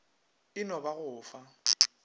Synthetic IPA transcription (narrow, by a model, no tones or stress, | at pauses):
ɪnɔbaɣʊːfa